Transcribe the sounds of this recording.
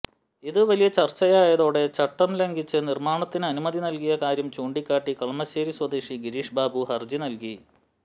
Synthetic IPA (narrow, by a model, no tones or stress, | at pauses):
iðɨʋɐlijɐt͡ɕɐrt͡ɕːɐjaːjɐðo̞ːɽe̞t͡ɕɐʈːɐmlɐŋɡit͡ɕːɨnirmaːɳɐt̪ːinɨɐnumɐðinɐlkijɐkaːɾjɐmt͡ɕuːɳɖikʲːaːʈːikɐɭmɐɕeːɾiswɐd̪eːʂiɡiɾiːʂbaːbuhɐrd͡ʑinɐlki